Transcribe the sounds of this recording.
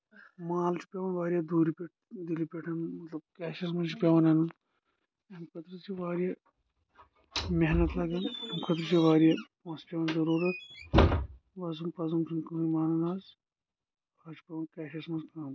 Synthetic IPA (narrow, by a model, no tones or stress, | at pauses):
maːlt͡ʃʰi̥pʲeʋɐnʋaːɾijaːd̪uːɾipʲeʈ̚ʰ | d̪ilipʲeʈʰɐnmɐt̪lɐb̚kʲaːʃɐs̬mɐnt͡ʃʰipʲeʋɐnɐnun | ɐmkʰɐt̪ɾɨt͡ʃʰiʋaːɾijɐ | meɦnɐt̪lɐɡɐnɐmkʰɐt̪ɾɨt͡ʃʰiʋaːɾjapãːspʲeʋɐnzɐɾuːɾɐt̪̚ | ʋɐsunpɐzɐmsʰunkɐmimaːnɐnaːz | aːt͡ʃʰi̥pʲeʋɐnkʲaːʃɐsmɐnskaːm